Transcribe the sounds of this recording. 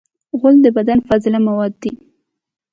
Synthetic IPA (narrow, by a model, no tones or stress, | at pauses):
ɣʊld̪əbad̪anfazɪlamawɑd̪̚ːi